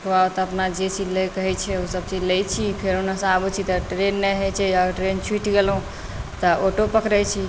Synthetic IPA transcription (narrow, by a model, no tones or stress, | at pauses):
kbaot̪ɔəpnad͡ʒet͡ʃilekəɦɛt͡ʃʰɛusəb̚t͡ʃilɛjt͡ʃʰipʰeɾonasabut͡ʃʰit̪ɔʈɾenːɛɦet͡ʃʰɛəɡʈɾent͡ʃʰwiʈɡelɦũ | t̪ɔʔoʈopəkɾəjt͡ʃʰi